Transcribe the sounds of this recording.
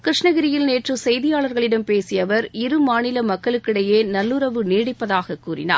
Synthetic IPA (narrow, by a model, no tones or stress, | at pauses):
kɪɾɪʂɳɐɣɪɾɪjɪlneːʈrɯsɛjðɪjaːɭɐɾɣɐɭɪɽɐmpeːsɪjɐʋɐɾɪɾɯmaːnɪlɐmɐkːɐɭɯkːɪɽɐjeːnɐlːɯɾɐʋɯniːɽɪpːɐðaːɣɐkːuːɾɪ̰na̰ː